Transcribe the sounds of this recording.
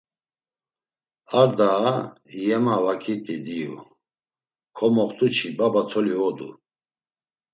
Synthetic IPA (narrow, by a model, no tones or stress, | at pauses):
aɾd̪ajɛmavakʰit̪ʼid̪iṵ | kʰɔmɔχt̪ʼut͡ʃʰibabat̪ʰɔliɔd̪ṵ